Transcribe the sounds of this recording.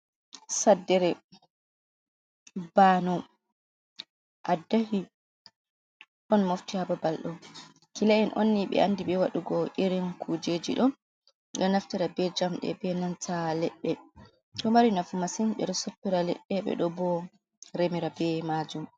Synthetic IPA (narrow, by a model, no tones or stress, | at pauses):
sadːɛɾɛ | banɔ | ʔadːahi | ɗɔnmoftihababalɗɔ | kilaɛnʔonːiɓɛ̰ʔandiɓɛwaɗuɡɔʔiɾinkʰud͡ʒed͡ʒiɗɔn | ɗɔnaftiɾabɛd͡ʒamɗɛ̰bɛnantʰalɛɓːɛ | ɗɔmaɾinafumasinɓɛ̰ɗɔsopːiɾalɛɓːɛɓɛ̰ɗɔbɔ | ɾemiɾabɛmad͡ʒum